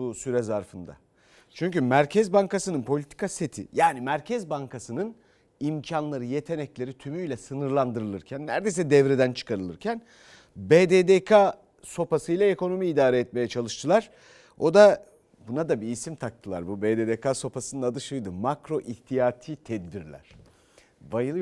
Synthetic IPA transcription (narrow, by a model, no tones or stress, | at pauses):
usyɾɛzaɾfɯnd̪a̰ | t͡ʃʰyɲcymæɾcʰɛzbaŋkasɯnɯnpʰo̞lʲit̪ʰi̥kaset̪ʰḭjaːnimæɾcʰɛzbaŋkʰasɯnɯn | imcʰanlˠaɾɯje̞t̪ʰe̞nɛclʲe̞ɾit̪ʰymyjlʲɛsɯnɯɾlˠand̪ɯɾɯlˠɯɾcʰænːæ̰ɾd̪ejsɛd̪ɛvɾed̪ænt͡ʃʰɯ̥kʰaɾɯlˠɯɾcʰæn | beːd̪eːd̪ekʰa | so̞pasɯjlˠae̞ko̞no̞miːd̪aːɾɛɛt̪̚me̞jɛt͡ʃʰalˠɯʃt̪ʰɯlˠaɾ̥ | o̞d̪a | bunad̪abiːsimt̪ʰak̚t̪ʰɯlˠa̰ɾbubeːd̪eːd̪ekʰaso̞pʰasɯnɯnad̪ˠɯʃɯjd̪ɯmakɾo̞ʔiht̪ʰijaːt̪ʰiːt̪ʰɛd̪biɾlʲæ̰ɾ̥ | vajɯ